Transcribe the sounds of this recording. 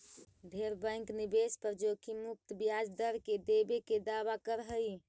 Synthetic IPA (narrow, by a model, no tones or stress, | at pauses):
d̪ʱeɾbə̃ɪ̃ŋknibespəɾd͡ʒokimuk̚t̪bijad͡ʒd̪əɾked̪ebeked̪aβakəɾɦəj